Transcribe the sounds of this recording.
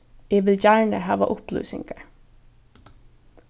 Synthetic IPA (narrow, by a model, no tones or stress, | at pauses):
eːʋɪljæːɳəhɑːʋa̰ʔʊplʉ̰ːsɪ̰̃ŋɡə